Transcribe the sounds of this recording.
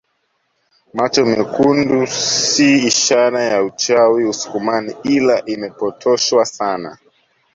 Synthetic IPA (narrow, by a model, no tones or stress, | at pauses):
mat͡ʃɔmikundusiːʃaɾajaut͡ʃawiusu̥kumaniilaʔimɛpɔtʰɔʃwasana̰